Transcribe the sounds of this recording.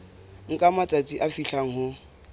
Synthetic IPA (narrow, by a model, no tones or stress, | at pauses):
ŋ̩kʼamatʼat͡sʼiʔafiɬaŋ̩hʊ